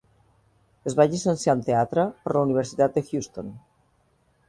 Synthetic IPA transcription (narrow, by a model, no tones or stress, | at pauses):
ezβaʎisenseant̪eat̪ɾəpoɾlauniβ̞eɾsit̪at̪̚d̪exjust̪on